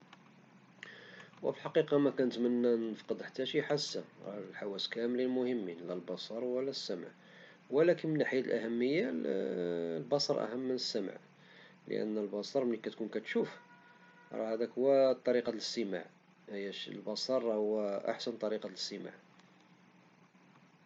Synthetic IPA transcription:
wə̰fəlħɑqiqɑmækænət̪mənːæʔnːəfqəd̪ˤħḁt̪ːæʃiħasːæɾˤɑ̰lħawæskæməlilmʊhəmːinlælbɑsˤɑɾˤwəlːæsːæmʕ | wəlækənmənʔaħjæt̪əlʔæhæmːəjːa | lbɑsˤɑɾˤʔæ̰həmːənəsːæm̰ʕ | lə̰ʔə̰nːəlbɑsˤɑɾˤmnikæt̪kunkæt̪ʃuf | ɾˤɑhæd̪ækhʊwːæt̪ˤːɑɾiqɑləst̪əma̰ʕ | hjːæʃlbɑsˤɑɾˤɑhʊwæʔa̰ħsənt̪ˤɑɾiqɑt̪ləst̪ːəma̰ʕ

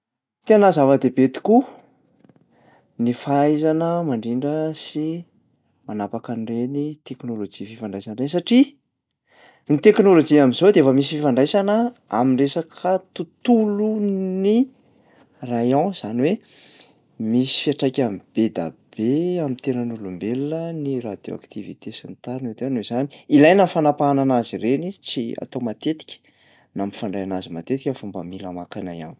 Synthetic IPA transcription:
t̪eanazavəd̪ebet̪i̥ku | nifaajzanəmaɳɖ͡ʐiɳɖ͡ʐəsi | manapakanirenit̪eknolod͡ʒififaɳɖ͡ʐajsanrensaʈ͡ʂi | nit̪eknolod͡ʒiamizod̪eefəmis̬ififaɳɖ͡ʐajsanəa̰minresakʰət̪ut̪uluni | rajɔ̃z̥aniwe | misi̥fiaʈ͡ʂajkʲamib̥ed̪a̰b̥eamint̪enənulumbelunənirad̪̥jo̰a̰kt̪ivḭt̪esint̪aɾned̪eanezani̥ilajnafanapaananazirenit͡sia̰t̪omat̪et̪i̥kʲə̥ | namifaɳɖ͡ʐajanazima̰t̪et̪ikʲafumba̰milamakana̰ja̰n

